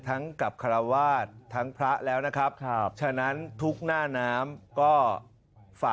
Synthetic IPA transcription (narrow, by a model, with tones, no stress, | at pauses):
t̪ʰa˦˥ŋka˨˩p̚kʰa˧ɾa˧waː˥˩t̪ʰːa˦˥ŋpʰɾa˦˥ʔlɛː˦˥wna˦˥kʰɾa˦˥p̚t͡ɕʰa˧na˦˥nt̪ʰu˦˥k̚naː˥˩naː˦˥mkɔː˥˩ | faː˨˩